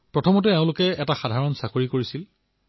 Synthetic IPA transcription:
pɹɔtʰɔmɔtɛeʊ̃lʊkɛɛtaxadʱaɹɔnsakoɹikoɹisil

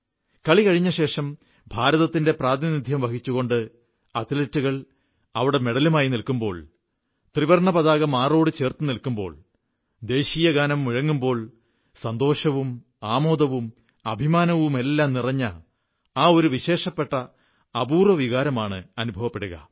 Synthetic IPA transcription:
kɐɭikɐɻiɲːɐɕe̞ːʂɐm | bʱaːɾɐðɐt̪ːinde̞praːd̪inid̪ʱjɐmʋɐkit͡ɕːuɣo̞ɳɖɨ | ɐt̪ilɐtːuɣɐɭ | ɐʋiɽe̞me̞ɽɐlumaːjinilkumbo̞ːɭ | t̪riʋɐrɳɐpɐðaːɣɐmaːro̞ːɽɨt͡ɕe̞ːrt̪ɨnilkumbo̞̰ːɭ | d̪e̞ːɕiːjɐɡaːnɐmːiɻɐŋːumbo̞ːɭ | sɐnd̪o̞ːʂɐʋum | aːmo̞ːd̪ɐʋum | ɐbʱimaːnɐʋume̞lːaːmnirɐɲːɐ | aːo̞ɾuʋiɕe̞ːʂɐpːe̞ʈːɐː | buːrɐʋiɣaːɾɐmaːɳɨ̰ɐnubʱɐʋɐpːe̞ɽuɣɐ̰

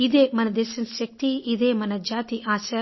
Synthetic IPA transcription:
id̪eːmɐnɐd̪eːʃɐnʃɐk̚t̪iid̪eːmɐnɐd͡ʒaːt̪iʔaːsɐ

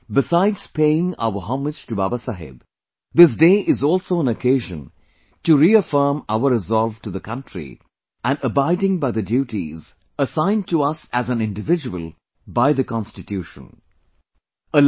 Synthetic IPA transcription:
bɪsaɪdz̥pʰeɪɪ̃ŋa̰ʊəɦɑ̃mɪd͡ʒ̥tɨba̰ːbəsaɦɪ̰b | d̪ɪs̬deːʔɪzɔlˠsoʊə̃nəkʰeɪʒə̰̃n | tuɾiəfɜ˞ma̰ʊəɾɨzɔlˠvʈuðəkʰʌ̃ntɾḭ | ʔæ̃nəbaɪdɪ̃ŋbaɪðədjuːʈḭz | əsãɪ̃ntuʌsæzæ̃nɪ̃ndɨvɪd͡ʒəwə̰lˠ | baɪðəkɑ̃nstɨtʰjuːʃə̰̃n | əl

